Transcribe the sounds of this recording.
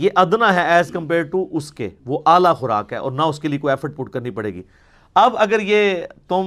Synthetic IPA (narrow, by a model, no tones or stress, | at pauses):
jeːʔɐd̪naɦɛɛːzkɐ̃mpeːɾɖ̚ʈuʔʊskḛʋoʔaːlaxʊɾa̰ːkɦɛ̰ːʔɔ̰ːɾnaʊskeliekoːiɛfəɾʈ̚pʊʈkɐɾnipɐɽḛːɡḭː | ɐbɐɡəɾjeːt̪ʊ